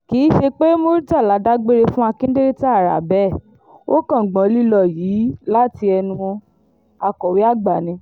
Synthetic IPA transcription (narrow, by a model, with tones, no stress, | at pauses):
kiː˨˦ʃe˧k͡pe˦mo˧˦ɾi˦d͡ʒa˦˨la˨˦da˦ɡ͡be˦ɾe˧fũ˦a˧kĩ˦de˦ɾe˦ti˦a˦˨ɾa̰˨bɛ˦˨ | o˦kã˦˨ɡ͡bã˨˧˦li˦lɔ˦˨jiː˨˦la˦ti˧ɛ˧nũ˧ | a˧kɔ˨wi˨˦a˦˨ɡ͡ba˨nĩ˧˦